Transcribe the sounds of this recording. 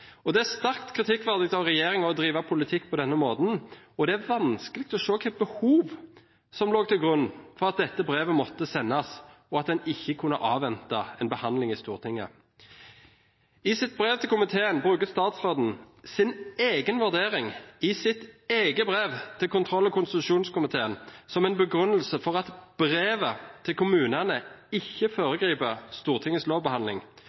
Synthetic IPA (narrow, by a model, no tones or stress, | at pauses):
ɔd̪ɛæɾst̪æʁkt̪kʰʁɪt̪ʰɪkːʋæʁd̪ɪɡt̪ɑʋʁɛjeːʁɪŋɑɔd̪ɾiːʋɑpʰʊlɪt̪ʰɪkːpʰɔd̪ɛnːəmoːt̪n̩ɔd̪ɛæɾʋɑnskəlɪɡkt̪ʰɔʃoːkʰɛbəhuːʋ | sɔmloːɡ̚t̪ʰɪlɡʁʉnːfɔʁɑt̪̚d̪ɛt̪ːəbʁeːʋəmɔt̪ːəsɛnːɑs | ɔɑt̪̚d̪ɛnɪçːəkʰʊnːə̰ʔɑːʋɛnt̪ɑɛnbəhɑnd̪lɪŋɪst̪uːʁt̪ʰɪŋːə̰ | ɪsɪt̪̚bʁeːʋt̪ʰɪlkʰʊmɪt̪ʰeːənbʁʉːkəst̪ɑːt̪sʁoːd̪n̩ | sɪneːɡənʋʉʁd̪eːʁɪŋɪsɪt̪eːɡəbʁeːʋt̪ʰɪlkʰʊnt̪ʰʁɔlːɔkʊnst̪ɪt̪ʉʃuːnskʊmɪt̪ʰeːənsɔmɛnbəɡʁʉnəlsəfɔʁɑt̪b̥ʁeːʋət̪ʰɪlkʰʊmʉːnənəɪçːəfoːɾəɡʁiːpəst̪uːʁt̪ʰɪŋəsoːʋbəhɑnlɪŋ